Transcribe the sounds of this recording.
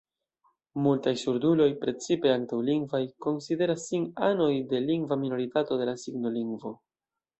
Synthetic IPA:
multajsuɾdulo̞jpɾe̞t͡sipe̞aŋktawliŋɡvajko̞nside̞ɾasːinano̞jde̞liŋɡvamino̞ɾitato̞de̞lasiɡno̞liŋɡvo̞

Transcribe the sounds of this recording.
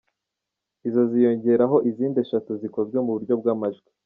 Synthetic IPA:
izo̞zijo̞ɲɟe̞ɾaɦo̞ʔiziːnde̞ʃatuziko̞zɡwe̞muβuɾɟo̞b̚ɡaːmaʒɡi

